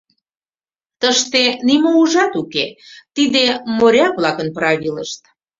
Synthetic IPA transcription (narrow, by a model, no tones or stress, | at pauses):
t̪əʃt̪enimouʒɑt̪uket̪id̪emoɾʲɑk̚βlɑkənpɾɑβiləʃt̪̚